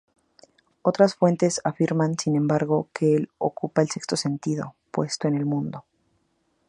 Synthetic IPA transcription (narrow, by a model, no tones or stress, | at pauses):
o̞t̪ɾasfwe̞nt̪e̞safiɾmansinẽ̞mbaɾɣo̞kʰeelo̰kupaelse̞kst̪o̞se̞nt̪ið̞o̞̰pwe̞st̪o̞ene̞lmũnd̪o̞